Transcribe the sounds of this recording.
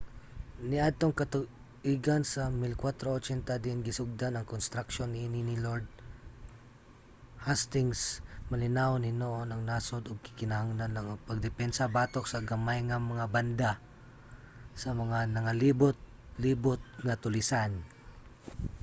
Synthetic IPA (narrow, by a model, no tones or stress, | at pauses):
nɪʔad̪̚t̪o̞ŋkɐt̪ʊ | ʔiːɡansɐmɪlkwat̪ɾoʔot͡ʃɛnt̪ɐd̪ɪnɡɪsʊɡ̚d̪anɐŋkonst̪ɾɐkʃo̞nːɪʔːninɪloɹd̪̚ | hast̪ɪŋsmɐlɪnawonhɪnoʔonɐŋnaːsod̪oɡ̚kɪ̥kɪnɐhaŋlanːɐŋpɐɡ̚d̪ɛpɛnsɐbaːt̪ok̚sɐɡɐmajŋɐmɐŋabɐnd̪a | sɐmɐŋanɐŋalibʊt̪̚ | liːbot̪̚ŋɐt̪ʊlɪsan